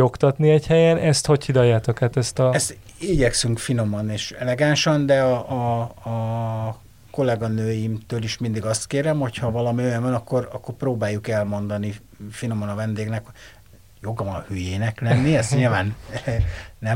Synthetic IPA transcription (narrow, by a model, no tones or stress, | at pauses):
o̞kt̪ɒt̪niɛchɛjɛnʔɛst̪ho̞ckid̪ɒjaːt̪okhaːt̪ɛst̪ɒɛst̪iɟɛksyŋkfino̞mɒneːʃɛlɛɡanʃɒnd̪ɛɒɒ | ko̞lɛɡɒnøːjimt̪øːliʃmind̪iɡɒst̪keːɾɛmho̞chɒvɒlɒmiøjɛmvɛnɒkːo̞ɾɒ̰kːo̞rproːbaːjːukɛlmo̞nd̪ɒni | fino̞mɒnɒvɛnd̪eːɡnɛkho̞ɟ̥ | jo̞ɡɒvɒnhyːjeːnɛklɛnːiɛst̪ɲilvaːnː | ɛ